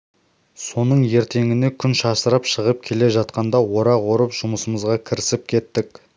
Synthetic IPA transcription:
so̞nəɴje̞ɾt̪e̞ŋɪne̞kʲʰʏnʃɑsəɾəpʃəʁəp̚kʲʰe̞le̞ʒɑt̪qɑnd̪ɑwo̞ɾɑʁwo̞ɾəpʒ̥ʊməsəməzʁɑkʲʰɪɾɪsɪp̚kʲʰe̞t̪ːɪk̚

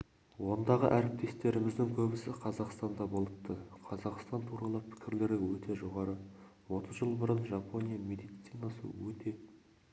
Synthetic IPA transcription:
wo̞nd̪ɑʁə̰ʔæɾɪp̚t̪ʰe̞st̪e̞ɾɪmɪzd̪ɪŋkʲʰɵbɪsɪqʰɑzɑqst̪ɑnd̪ɑbolˠət̪ːəqʰɑzɑqst̪ɑnt̪ʰuɾɑlˠəpʰɪ̥kʲɪɾle̞ɾɪwɵt̪ʰe̞ʒo̞ʁɑɾəwo̞t̪əzʒəlˠbʊɾənʒɑpʰo̞nʲijame̞d̪ijt̪sijnɑsə̰wɵt̪e̞

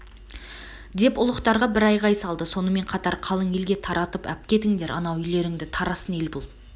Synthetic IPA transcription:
d̪e̞pʊlˠəqt̪ɑɾʁɑbɪɾɑjʁɑjsɑlˠd̪əso̞nəme̞ɴqʰɑt̪ɑɾqʰɑlˠəɴe̞lɡʲe̞t̪ʰɑɾɑt̪əpæ̰p̚kʲe̞t̪ɪŋd̪e̞ɾʔɑ̰nɑwʏjle̞ɾɪŋd̪ɪt̪ʰɑɾɑsəne̞lbʊlˠ

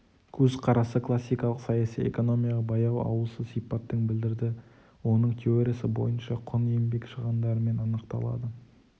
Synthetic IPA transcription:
kʲʰɵzqʰɑɾɑsəkʰlˠasːijkɑlˠəqsɑjasijḛko̞no̞mijɑʁɑbɑjɑw̪ˠɑ̰wəlˠsəzsijpɑt̪ːəŋbɪld̪ɪɾd̪ɪ | wo̞nəɴt̪ʲʰeoɾʲesɪbo̞̰jənʃɑqʰʊne̞mbe̞kʃəʁənd̪ɑɾəme̞nɑnəqt̪ɑ̰lˠɑ̰d̪ə

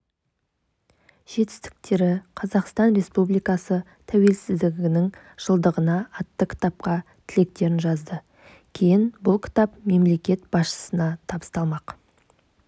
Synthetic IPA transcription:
ʒ̥e̞t̪ɪ̥st̪ɪ̥k̚t̪e̞ɾɪqʰɑzɑqst̪ɑnɾe̞spublijkɑsə | t̪ʰæwe̞lsɪzd̪ɪɡʲɪnɪŋ | ʒ̥əlˠd̪əʁənɑːt̪ːəkʲʰɪ̥t̪ɑp̚qɑ | t̪ʰɪle̞k̚t̪e̞ɾɪnʒɑzd̪ə | kʲʰe̞jɪnbʊlˠkʲʰɪ̥t̪ɑpme̞mle̞kʲe̞t̪̚b̥ɑsʃə̥sənɑt̪ʰɑbə̥st̪ɑlˠmɑq

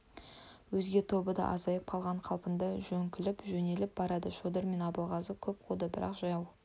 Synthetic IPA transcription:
wɵzɡʲe̞t̪ʰo̞bəd̪ɑ̰ʔɑzɑjəp̚qʰɑlˠʁɑɴqʰɑlˠpənd̪ɑʒɵŋkʲɪlɪpʒɵne̞lɪp̚bɑɾɑd̪əʃod̪əɾme̞nɑbəlˠʁɑzəkʲʰɵp̚qʰud̪əbɪɾɑ̰qʒ̥ɑjɑw

